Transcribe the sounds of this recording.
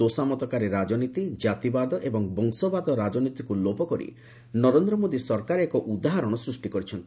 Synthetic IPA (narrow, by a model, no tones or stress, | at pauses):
osamɔt̪ɔkaɾeɾad͡ʒɔnit̪id͡ʒat̪ibad̪ɔʔebɔŋbɔŋsɔbad̪ɔɾad͡ʒɔnit̪ikulopɔkɔɾḭ | nɔɾend̪ɾɔmod̪isɔɾkaɾekɔʔud̪aɦaɾɔɽ̃ɔsɾusʈikɔɾit͡ʃʰɔnt̪ʰi̥